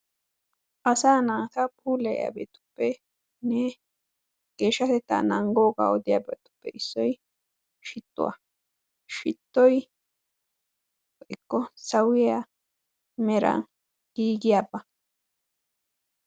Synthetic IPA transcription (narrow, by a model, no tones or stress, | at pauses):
ʔɐsaːnaːt̪apʰuːlɛja̰bḛt̪ʊ̥pːɛ | ne | ɡ̥eːʃɐt̪ɛt̪ːa̰naŋɡoːɡa̰ɔd̪ɪjabɛt̪ʊ̥pːɛʔɪsːɔj | ʃɪt̪ːʊ̰a̰ | ʃɪt̪ːɔj | wʔɪkːɔsɐwɪa | mɛɾa̰ | ɡ̥iːɡɪjabɐ